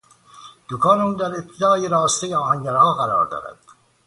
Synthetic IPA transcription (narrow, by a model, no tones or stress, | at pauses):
d̪̥okʰɑːnuːnd̪æɾep̚t̪ʰed̪ɒːjeɾɒːst̪ejeɒːɦæŋɟæɾhɒːɣæɾɒ̰ːɾd̪ɒ̰ːɾæ̰d̪̥